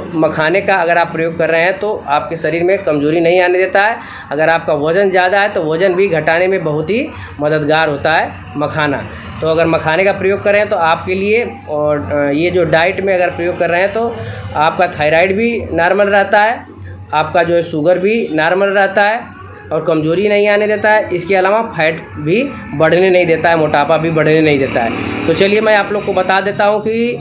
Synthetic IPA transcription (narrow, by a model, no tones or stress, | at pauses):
mɐkʰaːnekaɐɡəɾaːpːɾɐjoːɡ̚kɐɾːəɦẽɦɛ̃t̪oaːp̚keʃɐɾiːɾmẽkɐmzoːɾinɐɦĩaːned̪eːt̪aɦɛ | ɐɡəɾaːp̚kaʋɐd͡ʒənzjaːd̪aɦɛt̪oʋɐd͡ʒənbʱiɡʱɐʈaːnemẽbɐɦʊt̪ɦi | mɐd̪əd̪ɡaːɾɦoːt̪aɦɛː | mɐkʰaːna̰ | t̪oɐɡəɾmɐkʰaːnekapɾɐjoːɡ̚kɐɾːeɦɛ̃t̪oaːp̚kelie | jed͡ʒoːɖaːɪʈmẽɐɡəɾpɾɐjoːɡ̚kɐɾːəɦeɦɛ̃t̪oaːp̚kat̪ʰaːɪɾaːɪɖbʱinaːɾməlɾɛɦt̪aɦɛː | aːp̚kad͡ʒoːɦɛʃuːɡəɾbʱinaːɾməlɾɛɦt̪aɦɛː | ɔːɾkɐmd͡ʒoːɾinɐɦĩaːned̪eːt̪aɦɛʔɪskeɐlaːʋapʰaːɪʈbʱi | bɐɽ̤nenɐɦĩd̪eːt̪aɦɛmoːʈaːpabʱibɐɽ̤nenɐɦĩd̪eːt̪aɦɛ̰ːt̪ot͡ʃɐliemɛ̃aːploːɡ̚kobɐt̪ad̪eːt̪aɦũki